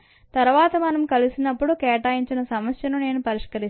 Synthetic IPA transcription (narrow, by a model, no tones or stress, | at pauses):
t̪ɐɾʋaːt̪ɐmɐnɐmkɐlusinɐpːuɽukɛːʈaːjiɲt͡ʃinɐsɐmɐsjɐnune̞ːnupɐɾiʂkɐɾi